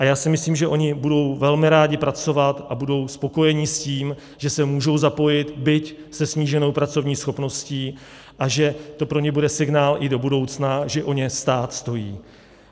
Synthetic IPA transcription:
ʔajaːsɪmɪsliːmʒɛʔo̞ɲɪbudo̞wvɛlmɪɾaːɟɪpɾat͡so̞vat̪ʔabudo̞wspo̞ko̞jɛɲɪsciːm | ʒ̥ɛsɛmuːʒo̞wzapo̞jɪt̪bɪcsɛsɲiːʒɛno̞wpɾat͡so̞vɲiːsxo̞pno̞sciː | ʔaʒɛt̪o̞pɾo̞ɲɛbudɛsɪɡnaːlʔɪdo̞budo̞wt͡snaʒɛʔo̞ɲɛst̪aːt̪st̪o̞jiː

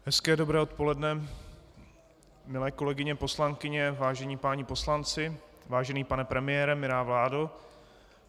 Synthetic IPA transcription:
ɦɛskɛːdo̞bɾɛːo̞t̪̚po̞lɛdnɛ | mɪlɛːko̞lɛɡɪɲɛpo̞slaŋkɪɲɛvaːʒɛɲiːpaːɲɪpo̞slant͡sɪ | vaːʒɛniːpanɛpɾɛmɪjɛːɾɛmɪɾaːvlaːdo

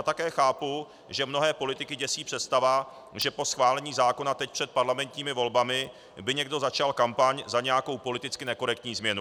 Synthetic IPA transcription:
aːt̪akɛːxaːpu | ʒɛmno̞ɦɛːpo̞lɪt̪ɪkɪɟɛsiːpr̥ɛt̪st̪ava | ʒɛpo̞sxvaːlɛɲiːzaːko̞nat̪ɛc̚pr̥ɛt̪̚paɾlamɛnt̪ɲiːmɪvo̞lbamɪ | bɪɲɛɡdo̞zat͡ʃalkampaɲzaɲɛjako̞wpo̞lɪt̪ɪt͡skɪnɛko̞ɾɛk̚t̪ɲiːzmɲɛnu

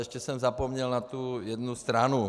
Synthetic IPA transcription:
ɛʃcɛsɛmzapomɲɛlnat̪ujɛd̪nust̪ɾanu

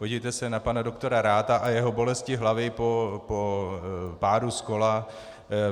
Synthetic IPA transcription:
poɟɪvjt̪ɛsɛnapanado̞kt̪o̞ɾaɾaːt̪aʔajɛɦo̞bo̞lɛscɪɦlavɪpopo | paːɾusko̞la

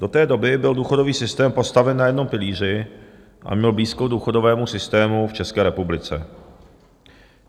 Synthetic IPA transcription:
d̥o̞t̪ɛːdo̞bɪbɪlduːxo̞do̞viːsɪst̪ɛːmpo̞st̪avɛnːajɛdno̞mpɪliːr̝ɪ | ʔa̰mɲɛlbliːskoduːxo̞dovɛːmusɪst̪ɛːmuft͡ʃɛskɛːɾɛpublɪt͡sɛ

